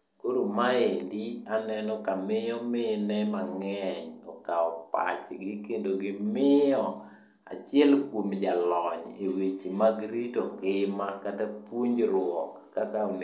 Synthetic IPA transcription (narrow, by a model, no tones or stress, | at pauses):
koɾomaendianɛnɔkamɪjɔmɪnɛmaŋɛɲɔ̰kaɔpa̰t͡ʃɡɪkendoɡɪmɪɔ | a̰t͡ʃɪɛlkwomd͡ʒalɔɲewet͡ʃimaɡɾitokɪmakatapuɲd͡ʒɾwɔkːakan